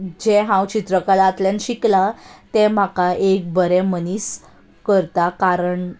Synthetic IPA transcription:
d͡ʑeɦãwt͡ɕit̪ɾəkalaːt̪ljanɕiklat̪em̤akaʔek̚bəɾɛmənis | kəɾt̪akaɾəɳ

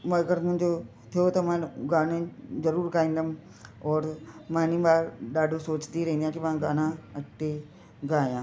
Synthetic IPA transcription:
mɐɡəɾmʊ̃ɦɪ̃ɲd͡ʑo | t̪ʰijot̪ɐmãɡaːnẽzɐɾuːɾkaːĩnd̪əm | ɔːɾmãːnĩmaːɾɗaːɖʱosoːt͡ɕniɾɐɦĩnd̪jãːkimãːɡaːnãɐʈe | ɡaːjãː

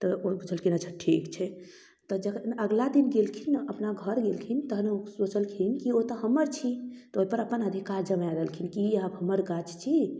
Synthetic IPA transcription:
t̪ɔobʱud͡ʒʰəlkʰinət͡ʃʰəʈʰikt͡ʃʰɛ | t̪ɔd͡ʒəknəɡlad̪inɡelkʰinəpnaɡʱəɾɡelkʰint̪əɦneosot͡ʃəlkʰinkiot̪əɦəməɾt͡ʃʰit̪oipəɾəpənəd̪ʱikaɾd͡ʒəmaɾelkʰinkiəbɦəməɾɡat͡ʃt͡ʃʰi

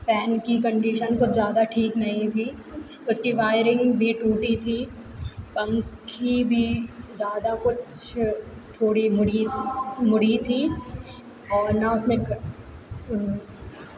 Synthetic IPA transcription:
fɛːnkikɐ̃ɳɖiːʃənkʊt͡ʃʰzjaːd̪aʈʰiːknɐɦĩt̪ʰiː | ʊskiʋaːɪɾɪ̃ŋɡbʱiʈuːʈit̪ʰiː | pɐ̃ŋkʰibʱizjaːd̪akʊt͡ʃʰ | t̪ʰoːɽimʊɽimʊɽit̪ʰiː | ɔːɾnaʊsmẽk

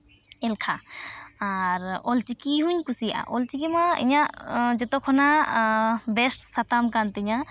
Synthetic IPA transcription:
ɛlkʰaaɾɔlt͡ʃikiɦuɲkusija̰ʔɔlt͡ʃik̬imaḭɲad͡ʒɔt̪ɔkʰɔna | bɛsʈsat̪amkant̪ɛɲa

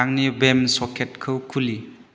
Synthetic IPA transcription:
aŋnibemsɔkʰet̚kʰɯwkʰuli

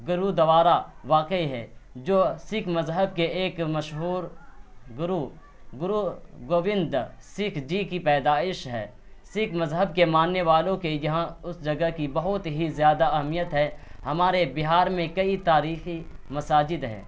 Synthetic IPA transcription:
ɡʊɾud̪ɐʋaːɾaʋaːqəiɦɛːd͡ʒoːsɪkʰmɐzɦəb̚keeːkmɐʃɦuːɾɡʊɾu | ɡʊɾuɡoːʋɪ̃nd̪sɪkʰd͡ʒiːkipɛːd̪aːɪʃɦɛ̰ː | sɪkʰmɐzɦəb̚kemaːnːeʋaːlõkejɐɦãʊsd͡ʒɐɡəkibɐɦʊt̪ɦizjaːd̪aɐɦəmijət̪ɦɛhɐmaːɾebɪɦaːɾmẽkɐit̪aːɾiːximɐsaːd͡ʒɪd̪ɦɛ̰ː

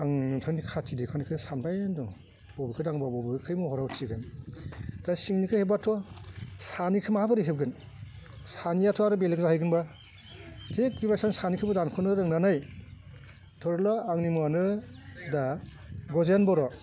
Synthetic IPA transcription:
aŋnɯtʰɯŋnikʰatʰidekʰanikʰɯsanbajndɔŋ | b̥ɔbikʰɯdaŋbabɔbɯkʰɯjmɔɦɔɾawtʰiɡɯn | tasiŋnikʰɯhebatʰɔsanikʰɯmaabɯɾiɦeb̚ɡɯn | sanijatʰɔaɾɯbelekzaɦɯjɡɯnba | tʰek̚bibajsansanikʰɯbɯdankʰɯnɯɾɯŋnanaj | tʰɔɾlɔaŋnimanɯda | ɡɔzenbɔɾɔ

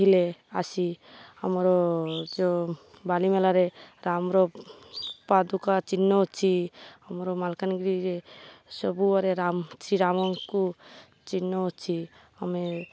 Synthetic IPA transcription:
ileasihəmɾɔd͡ʒo | balimelaɾeɾamɾɔ | pad̪ukat͡ʃinːɔt͡ʃʰiɦəmɾɔmalkanɡɾiɾesɔbuaɾeɾamsɾiɾamɔŋku | t͡ʃinːɔɦt͡ʃʰi | əme

